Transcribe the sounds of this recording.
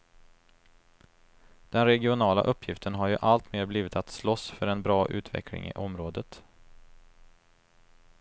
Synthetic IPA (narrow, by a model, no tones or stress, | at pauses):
d̪̥ɛnɾɛɡɪʊnɑːla̰ʔɵpːjɪft̪ʰənɦaɾjɵʔalt̪meːɾbliːvɪt̪at̪slɔsfœɾɛnbɾɑːʔʉ̟̰ːt̪vɛ̰kʰlɪ̰ŋɪ̰ʔɔmɾoːd̪ət̪